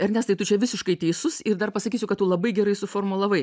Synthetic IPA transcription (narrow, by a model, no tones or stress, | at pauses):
ɐɾnʲɛst̪ɐɪt̪ʊt͡ʃʲɛʋʲɪsʲɪʃkɐɪt̪ʲɛɪsʊsɪɾd̪ɐrpɐsɐkʲiːsʲʊkɐt̪ːuːlˠɐbɐɪɡʲɛɾɐɪsʊfoːrmʊlˠɐʋɐɪ